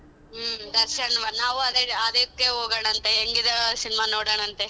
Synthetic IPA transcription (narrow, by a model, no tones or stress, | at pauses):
md̪ɐɾsɐɳʋɐnaːʋuɐd̪eɐd̪ɐkːeɦoːɡɐɳɐnt̪eeŋɡid̪ɐsinimɐnoːɽɐːɳɐnt̪e